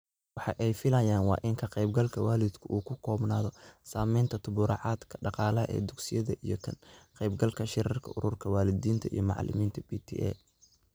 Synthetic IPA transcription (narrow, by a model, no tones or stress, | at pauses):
wɑħɑ̰ʔɛjfɪlɐjaːnwɑ̰ːʔɪŋkʰɐqɛjb̚ɡɐlkʰɐwaːlɪd̪kʰʊʔuːkʰʊkʰɔːbnaːðɔsaːmɛjnt̪ʰɐt̪ʰʊβʊɾɑ̰ʕɑːd̪kʰɐ̥ɖɑqɑːlɐɦɐ̰ʔɛ̰ːd̪ʊɡsɪjɐðɐʔijɞk̪ʰɐnqɛjbɡɐlkʰɐʃɪɾɪrkʰɐ̰ʔʊɾʊrkʰɐwaːlɪðiːnt̪ʰɐḭjɞmɑ̰ʕ̰lɪ̰miːnt̪ʰɐbiːt̪ʰḭʔɛ̰ː